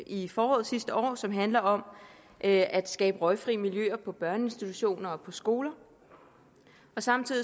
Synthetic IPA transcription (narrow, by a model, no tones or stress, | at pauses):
ifɒːɒ̽ːð̩ˠsisd̥əʔɒ̰ːsɒ̽mɦænlɐɒ̽m | ʔʔæd̥sɡ̥ɛːb̥əʁɒ̽ɪfʁiːmiljø̰ːɐpʰɒ̽b̥ɶɐnəe̝nsd̥it͡sʰuɕo̝̰ːnɐɒ̽pʰɒ̽sɡ̥o̝ːlɐ | ɒ̽sɑ̈mt͡sʰið̰ˠi